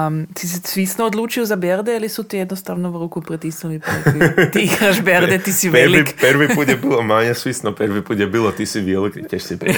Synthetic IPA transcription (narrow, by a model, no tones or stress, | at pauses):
sisɛsʋisnood̪luːt͡ʃiuzabeɾd̪ɛalisut̪ijed̪nost̪aʋnoʋɾukupɾit̪isnulipt̪iiɡɾaʒbeɾd̪ɛt̪isiʋeliikpəɾʋiuːt̪jɛbilˠomaɲɛsʋisnopeɾʋipuːt̪jɛbilˠot̪isiʋelikkɛsip